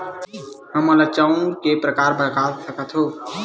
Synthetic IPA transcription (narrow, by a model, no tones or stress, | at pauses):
ɦəməlat͡ʃaːũkepɾəkaːɾbəɾkaːsəkət̪ɦoː